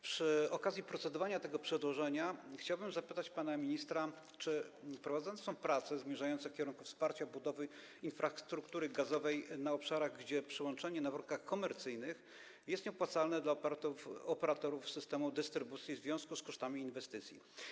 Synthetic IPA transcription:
pʂɘɔkazʲjipɾɔt̪sɛd̪ɔvaɲat̪ɛɡɔpʂɛd̪wɔʐɛɲaxt͡ɕawbɘmzapɘt̪at͡ɕpanamʲiɲist̪ɾa | t͡ʂɘpɾɔvad̪zɔnt̪ɔ̃w̃pɾat̪sɛzmʲjɛʐajɔnt̪sɛfkʲɛɾuŋkufspaɾt͡ɕabud̪ɔvɘ | infɾast̪ɾukt̪uɾɘɡazɔvɛjnaɔpʂaɾaɣɡd͡ʑɛpʂɘwɔnt͡ʂɛɲɛnavɾɔnkaxkɔmɛɾt̪sɘjnɘx | jɛst̪ɲɛpwat̪salnɛd̪la | ɔpɛɾat̪ɔɾufsɘst̪ɛmud̪ɘst̪ɾɘbut̪sʲjizvʲjɔ̃skuskɔʂt̪amʲiːnvɛst̪ɘt̪sʲjḭ

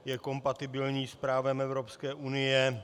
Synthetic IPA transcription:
jɛko̞mpat̪ɪbɪlɲiːspɾaːvɛmɛvɾopskɛːʔunɪjɛ

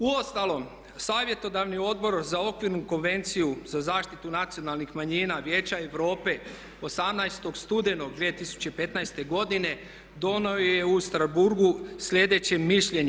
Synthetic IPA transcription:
uost̪alˠo̞m | saːʋje̞t̪o̞d̪aʋnio̞d̪̚bo̞ɾzao̞kʋiɾnuko̞nʋe̞nt̪sijuzazaːʃt̪it̪unat̪sio̞nalˠnixmaɲiːnaʋje̞ːt͡ɕaeʋɾo̞ːpe̞ | o̞samnajst̪o̞ɡst̪ud̪e̞no̞ɡd̪ʋiet̪isu̥t͡ɕepe̞t̪najst̪e̞ɡo̞d̪ine̞ | d̪o̞nooje̞ust̪ɾazbuɾɡusʎʲe̞d̪e̞t͡ɕeːiʃʎeɲ

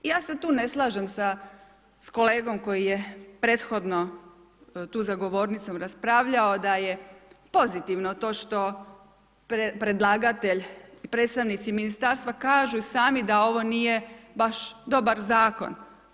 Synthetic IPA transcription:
ijaːse̞t̪uːne̞slˠaʒemsa | sko̞le̞ːɡo̞mko̞jijepɾe̞ːt̪xo̞d̪no̞ | t̪uːzaɡo̞ʋo̞ːɾnit̪so̞mɾaspɾaːʋʎaod̪ajepo̞zit̪iʋnot̪o̞ːʃt̪o̞ | pepɾe̞d̪lˠaːɡat̪e̞ʎipɾet̪st̪aʋnit̪siminist̪aɾst̪ʋakaːʒuisaːmid̪ao̞ʋo̞nije̞baʃd̪o̞baɾzaːko̞̰n

